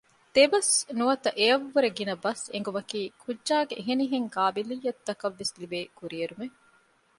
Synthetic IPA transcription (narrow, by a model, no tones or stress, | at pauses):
d̪̥ebɐsnuɐt̪ɐʔeɐʋːuɾeɡinɐbɐsḛŋ̆ɡumɐkiːkʰudːʒaːɡeʔːɦeniɦeŋkaːbilijːɐt̪ːɐkɐʋːeslibeːkuɾieɾume